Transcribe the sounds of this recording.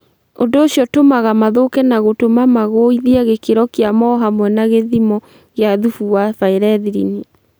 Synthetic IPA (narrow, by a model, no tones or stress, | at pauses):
ondoːɕjɔtomaɣamaðokɛnaɣotomamaɣoiðiaɣekeɾɔkeamɔɦamwɛnaɣeðimɔ | ɣeaðufuwafaeɾɛðiɾḭni